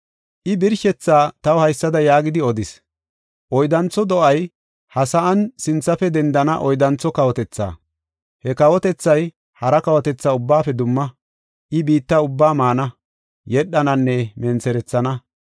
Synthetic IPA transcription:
ʔɪbɪɾʃɛt͡sːaːt̪ɐwhɐjsːɐd̪ɐjaːɡɪd̪ɪɔd̪ɪs | ʔɔjd̪ɐnt͡sːɔd̪ɔʔɐj | hɐsɐʔɐnsɪnt͡sːɐfɛd̪ɛnd̪ɐnɐʔɔjd̪ɐnt͡sːɔkɐwɔt̪ɛt͡sːa̰ː | hɛkɐwɔt̪ɛt͡sːɐj | hɐɾɐkɐwɔt̪ɛt͡sːaʊbːaːfɛd̪ʊmːɐ | ʔɪbiːt̪ːɐʊbːaːmaːnɐ | jɛɗːɐnɐnːɛmɛnt͡sɛɾɛt͡sːɐnɐ

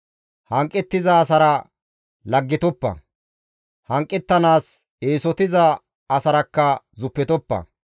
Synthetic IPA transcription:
hɐŋkʼːɛt̪ːɪzɐːs̬ɐɾɐ | lɐɡːɪt̪ɔpːɐ̰ | hɐŋkʼːɛt̪ːɐnaːs | eːsɔt̪ɪzɐː | sɐɾɐkːɐ | zʊpːɛt̪ɔpːɐ̰

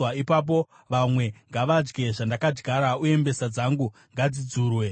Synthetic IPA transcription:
aipap̬o̞ | ʋamwe̞ŋɡaʋad͡ʒɡe̞ʐandakad͡ʒɡʱaɾaue̞mbe̞sad͡zaŋɡu | ŋɡad͡zid͡zuːrwe̞

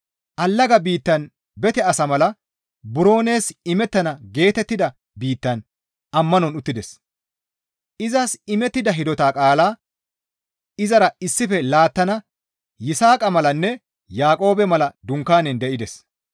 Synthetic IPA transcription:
ʔɐlːɐɡɐbiːt̪ːɐn | bɛt̪ɛɐsɐmɐlɐ | bʊɾo̞ːne̞ːsɪmɛt̪ːɐnɐɡe̞ːt̪ɛt̪ːɪd̪ɐ | biːt̪ːɐn | ɐmːɐnɔnʊt̪ːɪd̪ɛs | ʔɪzɐsɪmɛt̪ːɪd̪ɐɦɪd̪ɔt̪aːkʼaːlaː | ɪzɐɾɐɪsːɪfɛlaːt̪ːɐnɐ | jɪsaːkʼɐmɐlɐnːɛ | jaːkʼo̞ːbɛmɐlɐd̪ʊŋkːaːnɛnd̪ɛʔɪd̪ɛs

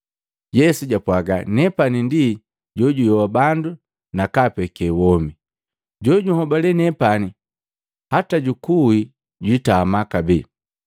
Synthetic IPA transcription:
jɛsuɟapwaɡanɛpanindi | ɟɔɟujɔwabandu | nakapɛkɛwɔmi | ɟɔɟuhɔbalɛnɛpani | hataɟukui | ɟitamakabi

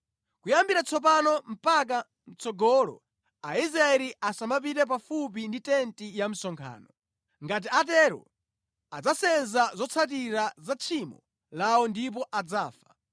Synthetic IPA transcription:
kujambiɾat͡sʰɔp̬anɔm̩pak̬a | n̩t͡sɔɡɔlɔ̰ | aizɾaɛɾiasambap̬iɾɛp̬afup̬inditɛntijam̩sɔŋkʰa̰ːnɔ | ŋɡat̬iat̬ɛɾɔ̰ | ad͡zasɛnzazɔt͡sʰat̬iɾazat͡ʃʰimɔ | lawɔndip̬ɔʔad͡zaːfḁ

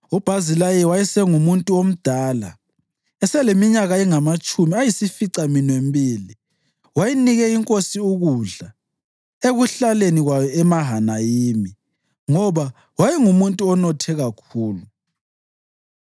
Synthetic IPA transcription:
ub̥ʱazilajɛwajisɛŋumuntʼuom̩d̥ʱaːla | ɛsɛlemiɲaɣaɛŋamat͡ʃʼumiajisifiǀaminwembʱiːli | wajiniɣɛiŋkʼosiuɣuɮa | eɣuɬaleniɣwajɔɛmaɦanajiːmi | ŋɔβa | wajɛŋumuntʼuɔnɔtʰɛɣakʰuːlu

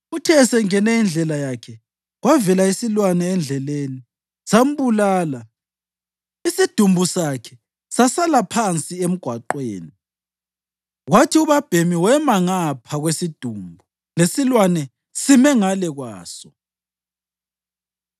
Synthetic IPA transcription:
utʰɛsɛŋɛnɛind͡ɮʱɛlajakʰɛ | ɣwavɛlaisilwanɛːnd͡ɮʱɛleːni | sam̩βulaːla | isid̥ʱumbʱusakʰɛ | sasalapʰant͡sʼiem̩ɡ̥ʱwaǃwḛːni | ɣwatʰiuβab̥ʱemiwɛmaŋapʰaɣwesid̥ʱumbʱu | lesilwanɛ | simɛŋalɛɣwa̰ːsɔ

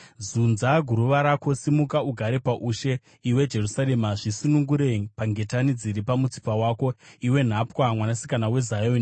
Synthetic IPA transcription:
zunzaɡʱuɾuʋaɾako̞simukauɡʱaɾe̞paʔuʃe̞ | iwe̞d͡ʒe̞rusaɾe̞maʐisunuŋɡuɾe̞paŋɡe̞tanid͡ziɾipamut͡si̥pawaːko̞iwe̞n̤apwamwanasikanawe̞zajoni

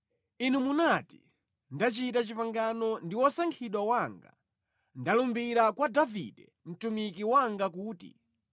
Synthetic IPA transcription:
inumunati | ndat͡ʃit̬at͡ʃipaŋɡanɔndiwɔsaŋkʰiɗwawaŋɡa̰ | ndalumbiɾakwadavḭdɛ | m̩tumikiwaŋɡakuːtḭ

